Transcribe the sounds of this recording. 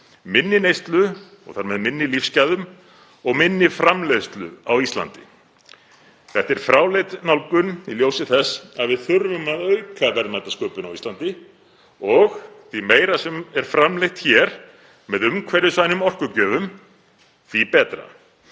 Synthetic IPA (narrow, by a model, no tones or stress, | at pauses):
mɪnːɪnejst̪lʏ | ɔ̰ɣθaɾmɛðmɪnːɪlifscaðʏm | ɔɣmɪnːɪfɾamlejst̪lʏ̰awist̪la̰nt̪ɪ | θɛht̪ɛɾ̥fɾaːwlejt̪nawlkʏniljowsɪθɛsːaðvɪðθʏɾvʏmaðœɥkʰavɛɾnmajt̪askœːpʏnawist̪lant̪ɪ | ɔxθvimeːjɾasɛmɛɾ̥fɾamlejht̪çɛɾ̥ | mɛðʏmkʰvɛɾʏsvaːjnʏmɔr̥kʏcœːvʏm | θvipɛːt̪ɾa̰